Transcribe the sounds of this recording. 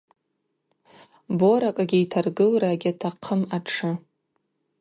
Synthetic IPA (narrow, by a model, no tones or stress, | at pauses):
boɾakʼaɡʲiitʰarɡɨlraɡʲatʰaqʰəmaʈ͡ʂʰɨ